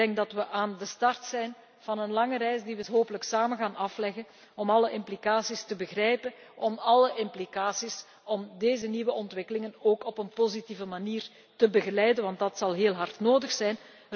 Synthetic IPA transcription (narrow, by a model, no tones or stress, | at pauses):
ɛŋk̚dɑtʋəʔaːndəstɑrtsɛjn | v̥ɑnənlɑŋəɾɛjsdiʋəɦoːpələksaːmənɣaːnɑflɛɣən | ɔmɑləʔɪmplikaːsistəbəɣrɛjpən | ʔɔmɑləʔɪmplikaːsis | ɔmdeːzəniːʋəʔɔntʋɪkəlɪŋənoːkɔpənpozitiːvəmaniːr | təbəɣəlɛjdənʋɑntdɑtsɑlˠɦeːlˠɦɑrtnoːdəxsɛjn